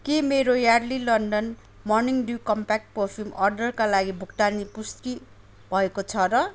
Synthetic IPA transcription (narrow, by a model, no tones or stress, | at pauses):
kemeɾojarlilʌnɖʌn | mʌrniŋɖukʌmpak̚ʈ̚porpʰimʌrɖʌrkalaɡibʱukʈanipuski | bʱʌekot͡sʰʌɾʌ